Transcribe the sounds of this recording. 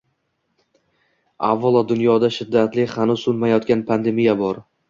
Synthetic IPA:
a̰vːɒlˠɒd̪ʊnjɒd̪aʃɪd̪ːat̪lɪhanʊzsʊnmajɒt̪kʲanpʰand̪e̞mijabɒɾ

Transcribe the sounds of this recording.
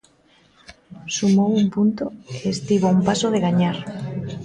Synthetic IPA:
sumowumpunt̪oeːst̪iβoumpasoð̞eɣaɲaɾ

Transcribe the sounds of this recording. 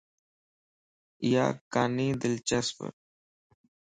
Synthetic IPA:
ja̰ːkaːniːd̪ɪlt͡ʃɛspə̰ɾ

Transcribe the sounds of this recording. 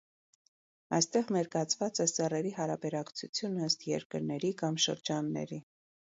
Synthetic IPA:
ɑjst̪ɛʁnɛɾkɑt͡sʰvɑt͡sɛsɛrɛɾiɦɑɾɑbɛɾɑkt͡sʰut͡sʰjunəst̪jɛ̰ɾkəɾnɛɾikɑmʃə̰ɾd͡ʒɑnːɛ̰ɾi

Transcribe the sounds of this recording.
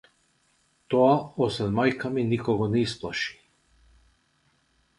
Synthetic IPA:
t̪oaɔsɛd̪majkaminikɔɡɔnɛisplˠaʃi̥

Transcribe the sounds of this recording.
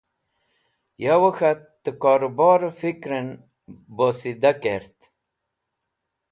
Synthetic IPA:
jawəxat̪ːəkaːɾobɑːɾfikɾen | bosid̪akeɾt̪

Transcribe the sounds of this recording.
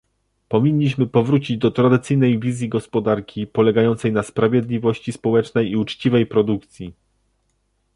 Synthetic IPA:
pɔvʲiɲːiɕ̬mɘpɔvɾut͡ɕid͡ʑd̪ɔt̪ɾad̪ɘt̪sɘjnɛjvʲizʲjiɡɔspɔd̪aɾkʲipɔlɛɡajɔnt̪sɛjnaspɾavʲjɛd̪lʲivɔɕt͡ɕispɔwɛt͡ʂnɛjiut͡ʂt͡ɕivɛjpɾɔd̪ukt̪sʲji

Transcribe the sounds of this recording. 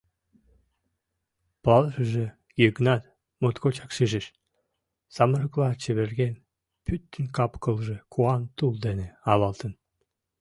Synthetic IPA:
pɑlˠʒə̆ʒĕ | jøknɑt̪ | mot̪kot͡ɕɑkʃiʒeʃ | sɑməɾəklˠɑt͡ɕeβerɡen | pyt̪ːənkɑpkə̆lˠʒĕkʰuɑnt̪ulˠd̪eneɑlɑlˠt̪ə̆n

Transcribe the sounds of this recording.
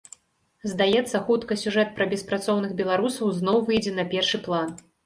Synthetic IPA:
zd̪ajɛt̪sːɐxut̪kɐsʲuʐɛt̪̚pɾɐbʲɛspɾat̪sɔwnɨɣbʲɛlˠaɾusɐwznɔwvɨjd͡zʲɛnɐpʲɛrʂɨplˠan

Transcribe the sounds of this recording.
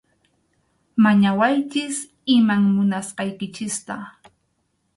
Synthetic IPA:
maɲawajt͡ʃɪs | ɪmaŋmʊnasqɑjkɪt͡ʃɪst̪a

